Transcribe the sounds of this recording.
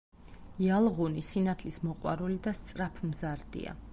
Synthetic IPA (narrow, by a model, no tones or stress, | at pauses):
ialˠʁunisinat̪ʰlismɔqʼwa̰ɾulid̪ast̪sʼɾapʰmzaɾd̪̥ḭa̰